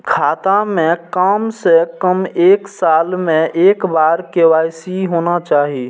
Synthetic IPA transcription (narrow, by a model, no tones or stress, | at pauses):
kʰaːt̪amẽkamsekəmeːksalmẽʔeːkbaɾkewajsiɦonat͡ʃaːɦi